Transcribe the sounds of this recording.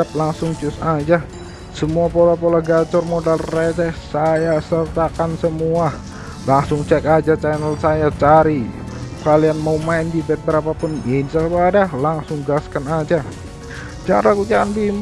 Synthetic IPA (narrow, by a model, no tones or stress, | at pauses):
ap̚laŋsʊŋt͡ʃʊsad͡ʒa | səmuapolapolahɡat͡ʃɔrmodalrɛsɛsajasərt̪akansəmua | laŋsʊŋt͡ʃɛkad͡ʒat͡ʃanəlsajat͡ʃaɾikalianmaumaindibɛt̪̚bəɾapapʊnɛnsalkuadalaŋsʊŋɡaskanad͡ʒa | d͡ʒaɾakut͡ʃakanbim